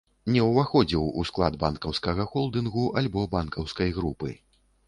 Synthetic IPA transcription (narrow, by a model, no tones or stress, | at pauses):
nʲɛwvaxɔd͡zʲiwusklˠad̪bankɐwskɐɣɐxɔlˠd̪ɨnɣuʔalʲbɔbankɐwskɐjɣɾupɨ̰